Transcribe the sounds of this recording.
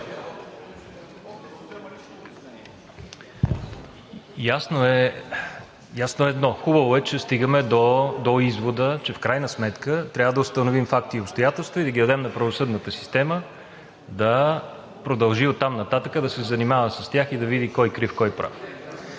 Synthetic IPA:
jasnoɛ | jasnoɛd̪nɔxubəvoɛt͡ʃɛst̪iɡəmɛd̪od̪oizvod̪ət͡ʃɛfkɾajnəsmɛt̪kət̪ɾʲavəd̪ɐʊst̪ənovimfakt̪iopst̪ojat̪ɛlˠst̪void̪ɐɡʲid̪ɐd̪ɛmnɐpɾɐvosɤd̪nət̪əsi̥st̪ɛmə | d̪ɐ | pɾod̪ɐlˠʒiot̪ːamnɐt̪at̪əkəd̪ɐsɛzɐnimavəsəst̪ʲjaxid̪ɐvid̪ikɔjkɾifkɔjpɾʔa̰f

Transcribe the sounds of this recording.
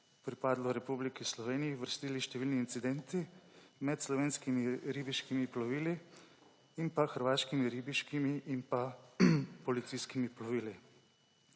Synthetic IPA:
pɾipaːd̪lɔɾɛpublikislɔʋeːnijiʋəɾst̪iːliʃt̪ɛʋiːlniːnt̪sid̪ɛnt̪imɛt̪slɔʋeːnskimiɾibiʃkimiplɔʋiːli | inpaxəɾʋaːʃkimiɾiːbiʃkimiʔinpa | pɔlit̪siːskimiplɔʋiːli

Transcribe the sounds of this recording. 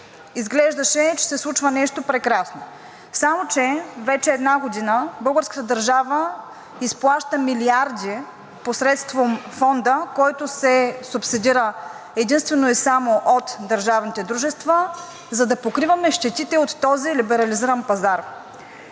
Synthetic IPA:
izɡlɛʒd̪ɐʃɛt͡ʃɛ̥sɛslˠut͡ʃvɐnɛʃt̪opɾɛkɾasno | samot͡ʃɛvɛt͡ʃɛːd̪naɡod̪inəbɤlˠɡəɾskə̥t̪əd̪ɐɾʒavə | isplˠaʃt̪əmiliaɾd̪i | posɾɛt̪st̪vomfɔnd̪əkɔjt̪osɛsupsid̪iɾə | ɛd̪inst̪vɛnoisamoʔot̪d̪ɐɾʒavnit̪ɛd̪ɾuʒɛst̪və | zɐd̪ɐpokɾivɐmɛʃt̪ɛt̪it̪ɛot̪ːɔzilibɛɾɐliziɾɐnpɐzaɾ

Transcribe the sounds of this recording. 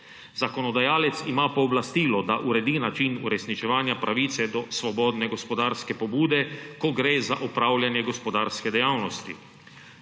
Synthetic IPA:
zakɔnɔd̪ajaːlɛt̪simaːpɔːblast̪iːlɔd̪aʔuɾɛd̪inat͡ʃinṵɾɛsnit͡ʃɛʋaːnjapɾʔaʋiːt̪sɛd̪ɔsʋɔbɔːd̪nɛɡɔspɔd̪aːɾskɛpɔbuːd̪ɛkɔɡɾeːzaʔɔpɾawljanjɛɡospɔd̪aːɾskɛd̪ɛjaːwnɔst̪ḭ

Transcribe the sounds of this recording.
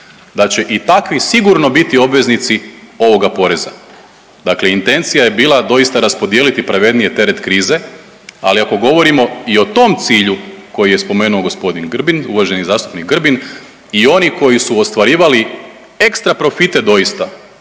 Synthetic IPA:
d̪at͡ɕe̞ʔit̪akʋisiɡuɾno̞bit̪io̞bʋe̞znit̪sio̞ʋo̞ɡapo̞ɾe̞za | d̪akleint̪e̞nt̪sijaje̞biːlˠad̪o̞jist̪aɾaspo̞d̪je̞ːlit̪ipɾaʋe̞d̪nije̞t̪e̞ɾe̞t̪kɾiːze̞ | a̰liako̞ɡo̞ʋo̞ɾimo̞io̞t̪o̞mt̪siːʎuko̞jije̞spo̞me̞ːnuo̞ɡo̞spo̞d̪inɡr̩binuʋaʒe̞nizaːst̪u̥pnikɡr̩bin | io̞niko̞jisuost̪ʋaɾiːʋali | e̞kst̪ɾapɾo̞fit̪e̞d̪o̞jist̪a

